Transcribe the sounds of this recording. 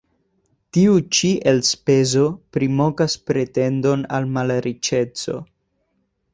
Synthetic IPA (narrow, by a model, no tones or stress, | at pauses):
tiut͡ʃiʔelspe̞zo̞pɾimo̞kaspɾe̞te̞ndo̞na̰lmalɾit͡ʃe̞t͡so̞̰